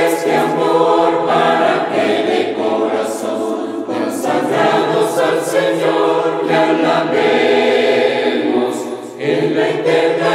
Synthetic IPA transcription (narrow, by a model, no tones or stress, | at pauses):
st̪eamoɾpaɾakelekoɾaso | ŋ | konsaɣɾaðosalseɲoɾlandaβe | mos | enlait̪eɾna